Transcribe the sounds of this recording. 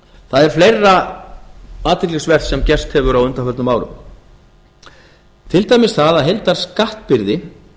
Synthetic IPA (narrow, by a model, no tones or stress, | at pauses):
θaðɛɾ̥flejrːa | aːt̪ʰɪɾklixsvɛr̥sɛmcɛr̥st̪hɛvʏɾawʏnt̪afœlt̪nʏmaːwɾʏ̰m | t̪ʰɪlt̪aːjmɪsθaðaðɦejlt̪aɾ̥skaht̪pɪɾðɪ